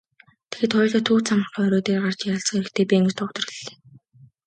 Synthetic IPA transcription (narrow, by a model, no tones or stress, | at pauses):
t̪ʰe̥xeːt̪χʊj̆ɮɔ̆t̪ʰːuːt͡sʰamə̆ɔœɾoːt̪eːrɢart͡ɕɪ̆ŋjaɮsə̆ŋeɾɘ̆xt̪ʰeːpʲieŋɡɘ̥̆t̪ʰɔkt̪ɞ̆riɮːe̥ː